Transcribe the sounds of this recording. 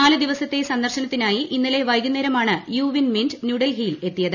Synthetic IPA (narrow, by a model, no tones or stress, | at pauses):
aːlɨd̪iʋɐsɐt̪ːe̞sɐnd̪ɐrɕɐnɐt̪ːinaːjiʔinːile̞ʋɐjɡunːeɾɐmaːɳɨjuːʋinmindnjuːɽɐlɦiːle̞t̪ːijɐðɨ